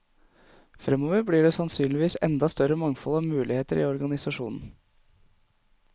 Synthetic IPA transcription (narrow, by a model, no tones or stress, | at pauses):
fɾɛmoːʋəɾbɽiːɖeːsɑnsyːnlɪʋiːsɛ̰nd̪ɑst̪œɾəmɑŋfɔlɑʋmʉːlɪheːt̪əɾḭːɔɾɡɑnɪsɑʂṵːnn̩